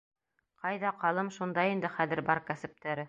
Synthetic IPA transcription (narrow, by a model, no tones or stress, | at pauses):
qɑjðɑqɑlˠɤmʃund̪ɑjind̪ɘχæðɘ̆ɾbɑɾkæsɘ̆p̚t̪æɾɘ